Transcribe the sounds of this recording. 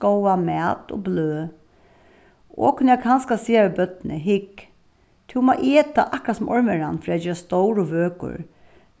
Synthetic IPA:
ɔwamɛːt̪ɔ̰bløː | ʔo̰ːkʰʊnjɛɡkʰanskasiːaʋɪbœt̪nə̰ɦɪk | t̪ʰɪwmaʔeːt̪a̰ʔakɾasʊmʔɔɹmɛɾanfɾɛːd͡ʒɪːast̪ɔwɾʊʋøːkʊ̰ɹ

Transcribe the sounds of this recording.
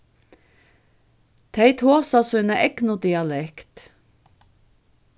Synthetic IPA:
t̪ʰæɪt̪ʰhoːsɑsʉnəʔɛknʊd̪ɪɑlɛkt̪

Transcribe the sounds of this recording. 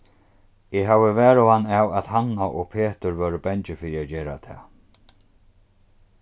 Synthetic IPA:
ɪɦavɪvɛːɾʊanːawaðhanːaʔɔɣpʰeːt̪ʏɾvœːɾəbɛɲt͡ʃɪfɪːɾiad͡ʑeːɾa̰t̪ʰɛ̰ː

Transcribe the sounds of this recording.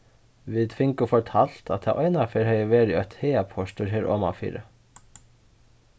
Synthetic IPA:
ʋit̪ʰfɪŋkʊfɔɹt̪ʰal̥t̪a̰t̪ʰa̰ːʔɔjnafɛɾɦɛjəʋeːɾɪœt̪hɛːjapʰɔʂt̪ʊɹɦeːɾɔ̰ːma̰fḭːɾɪ̰

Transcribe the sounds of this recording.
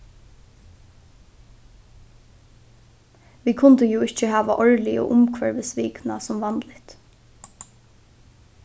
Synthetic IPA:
ʋiːkʰʊnt̪əjuːɪt͡ʃəɦæːʋaʔɔɹliɔ̰ːʔʊmkʰʋɛɹʋɪsʋiːknasʊmʋɑnlɪt̪

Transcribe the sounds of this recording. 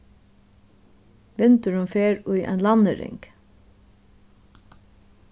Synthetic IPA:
ʋɪnt̪əɹʉmfeːɹʉʔæ̰ːnlɑnəɾɪ̰ŋk

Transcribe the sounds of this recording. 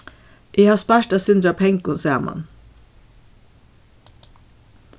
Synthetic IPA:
ʔɪhaːspaɹtasɪnd̪ɾapʰɛŋkʊnsæːma̰n

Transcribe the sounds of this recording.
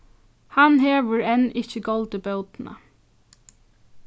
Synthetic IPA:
hanɦeːʋəɹɛnɪçəɡɔlt̪əbœlt̪na̰

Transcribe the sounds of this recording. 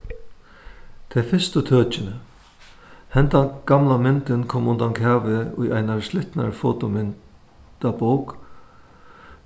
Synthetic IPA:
t̪ʰɛfɪst̪ət̪ʰœːt͡ʃɪnə | hɛnt̪aɡ̥amlamɪnt̪ɪnkʰɔːmʊnt̪ankʰaːʋɪʊ̰jajnaɹslɪht̪na̰ɹfoːt̪ʊmɪn | t̪aboːwk

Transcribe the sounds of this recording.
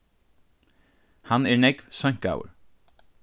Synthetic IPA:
hanɛɹnɛkvsœŋ̥ka̰wə̰ɹ

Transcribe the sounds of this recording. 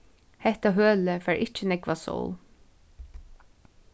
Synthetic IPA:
hɛht̪aɦøːləfæːɹʔɪt͡ʃənɛkʋasɔ̰ːl

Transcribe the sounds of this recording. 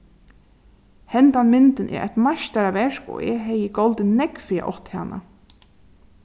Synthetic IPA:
hɛnt̪anmɪnt̪ɪnʔɛ̰ːɾʔa̰t̪maʃt̪aɾaʋɛʂkɔ̰ːɛːɦɛjɪɡɔlt̪ɪnːɛkfɾiːa̰ʔɔht̪ha̰ːnʔa̰

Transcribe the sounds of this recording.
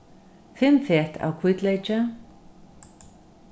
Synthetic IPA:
fɪmθɛht̪ʰa̰wkʰvʏt̪leːjt͡ʃa

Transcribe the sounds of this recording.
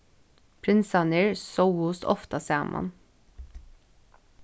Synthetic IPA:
pʰɾɪnsɑnɪɹsoʊuːsɔ̰ft̪ɑseːmʔɑ̰n

